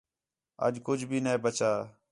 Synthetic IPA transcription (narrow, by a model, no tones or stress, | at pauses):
ə̰d͡ʒkʊd͡ʒʱbʱiːneːbət͡ʃaː